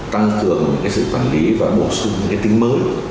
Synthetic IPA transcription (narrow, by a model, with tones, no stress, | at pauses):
t̪a˧ŋkɨ˨˩əŋɲɨ̰˧˥ŋkaː˨˦sɨ̰˧˨t̪waː˧˩nli˨˦vaː˨˩ɓo˧˩sʊ˧ŋ͡mɲɨ̰˧˥ŋkaː˨˦jt̪ï˨˦ŋ̟məː˨˦j